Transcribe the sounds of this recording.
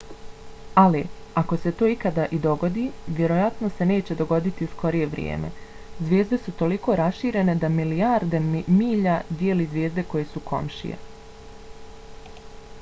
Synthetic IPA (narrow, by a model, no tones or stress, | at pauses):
aliako̞se̞t̪o̞ːikad̪aʔid̪o̞ɡo̞d̪iːʋje̞ɾo̞jat̪nose̞ne̞ːt͡ɕe̞d̪o̞ɡo̞d̪it̪iusko̞ɾije̞ʋɾjḛːme̞̰ | zʋje̞ːzd̪e̞sut̪o̞liko̞ːɾasʃiːɾe̞ne̞d̪amilijaɾd̪e̞miːʎad̪jeːlizʋjeːzd̪e̞ko̞jesukʰo̞̰mʃḭjḛ